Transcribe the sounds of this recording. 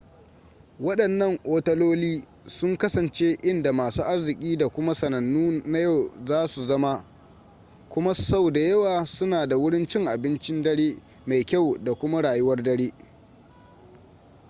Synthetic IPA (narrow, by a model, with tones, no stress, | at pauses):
wɐ˦ɗɐ˨nːɐ˦˨ŋʔoː˦tɐ˦loː˦liː˦ | sʊ˦ŋkɐ˦sɐ˨nt͡ʃe˦ʔɪ˦nda˨maː˨suː˦ʔa˦rzɪ˨kʲʼiː˦da˨kʷʊ˦ma˦sɐ˨nɐ˨nːuː˦na˦ja˦˨wzaː˦su˨zɐ˦ma˦ | kʷʊ˦ma˦sa˦wda˨jɐ˦waː˨sʊ˦naː˨da˨wʊ˦ɽɪ˦nt͡ʃɪ˦ŋʔa˨bɪ˦nt͡ʃɪ˦ndɐ˦ɽeː˦ | ma˨jkʲa˦˨wda˨kʷʊ˦ma˦ɽaː˨jʊ˦wɐ˦rdɐ˦ɽeː˦